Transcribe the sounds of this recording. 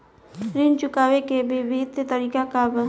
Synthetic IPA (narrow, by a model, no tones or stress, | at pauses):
ɾint͡ʃʊkaːwekebebɪɦɪt̪t̪əɾiːkakab